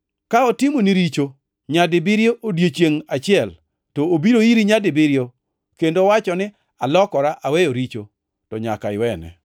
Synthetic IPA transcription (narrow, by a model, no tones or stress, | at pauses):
kaɔtɪmoniɾit͡ʃo | ɲadɪbɪɾjoʔodjet͡ʃjeŋat͡ʃɪɛl | toːbiɾoiɾiɲadɪbɪɾjo | kendowat͡ʃɔnɪ | alɔkɔɾaʔawejoɾit͡ʃo̰ | tɔɲa̰ka̰ɪwɛnɛ̰